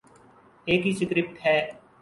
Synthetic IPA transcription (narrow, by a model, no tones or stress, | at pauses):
eːkɦisɪkɾɪp̚ʈ̪ɦɛː